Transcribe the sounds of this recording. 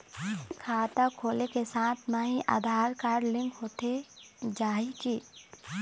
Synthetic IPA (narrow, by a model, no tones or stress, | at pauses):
kʰaːt̪akʰoːlekesaːt̪ʰnaːɦĩʔa̰ːd̪ʱaːɾkaːɾɖlɪ̃ŋkɦoːt̪e | d͡ʒaːikiː